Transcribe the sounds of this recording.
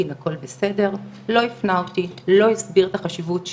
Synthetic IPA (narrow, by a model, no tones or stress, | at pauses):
inako̞lbese̞de̞ʁ | lo̞ifnaotilo̞isbiʁt̪aχaʃivut